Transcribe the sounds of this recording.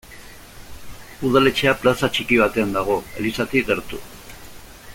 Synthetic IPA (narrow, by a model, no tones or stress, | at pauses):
uð̞ale̞t͡ʃe̞aplasat͡ʃikiβ̞at̪e̞and̪aɣ̞o̞e̞̰lisat̪ikɣe̞ɾt̪u